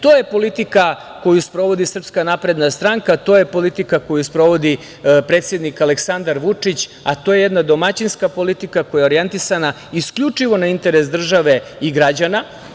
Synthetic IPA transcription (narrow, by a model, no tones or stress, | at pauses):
t̪o̞jepo̞lit̪ika | ko̞juspɾo̞ʋo̞d̪isr̩pskanapɾe̞d̪nast̪ɾaŋkat̪o̞je̞po̞lit̪ikako̞juspɾo̞ʋo̞d̪i | pɾe̞ːt̪sje̞d̪nikaleksand̪aɾʋut͡ʂit͡ɕ | at̪oje̞jed̪nad̪o̞mat͡ɕinskapo̞lit̪ikakojeo̞ɾije̞nt̪isana | iskʎut͡ʂiʋo̞naint̪e̞ɾesd̪r̩ʒaʋe̞iɡɾad͡ʑana